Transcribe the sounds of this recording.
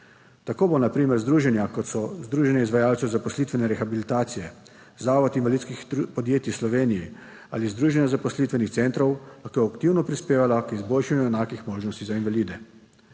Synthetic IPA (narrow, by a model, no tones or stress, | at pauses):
t̪akoːbonapɾiːmɛɾzd̪ɾuːʒɛnjakɔt̪sɔzd̪ɾuːʒɛnɛizʋajaːwt̪sɛwzapɔslit̪ʋɛnɛɾɛxabilit̪aːt̪sijɛ | zaːʋɔt̪invalid̪t̪skixpɔd̪jeːt̪islɔʋeːniji | aːlizd̪ɾuːʒɛnjazapɔslit̪ʋɛnixt̪sent̪ɾɔwlaxkoakt̪iwnɔpɾispeːʋalakizboːlʃanjuɛnaːkixmoːʒnɔst̪izainʋaliːd̪ɛ